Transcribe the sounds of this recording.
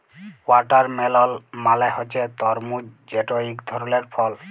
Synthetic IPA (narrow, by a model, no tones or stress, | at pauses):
waʈaɾmɛlɔlmalɛhɔt͡ʃɛt̪ɔɾmud͡ʑeʈɔikd̪ʱɔɾuleɾpʰɔl